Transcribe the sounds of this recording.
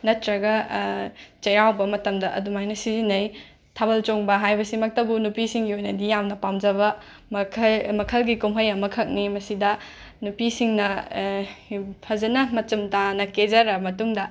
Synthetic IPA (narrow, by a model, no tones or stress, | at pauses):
nɐtɾɐɡɐ | t͡ʃɐjawbɐmɐtɐmdɐʔɐ̰dumajnɐsizinɐj | tʰabɐlt͡ʃoŋbɐɦajbɐsimɐk̚tɐbunupisiŋɡiojnɐdijamnɐpamd͡ʒɐbɐ | mɐkʰmɐkʰɐlɡikumɦɐjɐmɐkʰɐk̚nimɐsidɐ | nupisiŋnɐ | pʰɐzɐnɐmɐt͡ʃumtanɐked͡ʒɐɾɐmɐtuŋdɐ